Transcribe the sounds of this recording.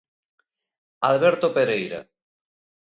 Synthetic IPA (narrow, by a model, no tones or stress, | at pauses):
alβɛɾt̪opeɾejɾa̰